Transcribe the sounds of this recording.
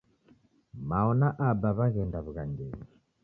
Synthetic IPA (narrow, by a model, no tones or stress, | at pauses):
maɔnaʔabaβaɣɛndaβuɣaŋɡɛni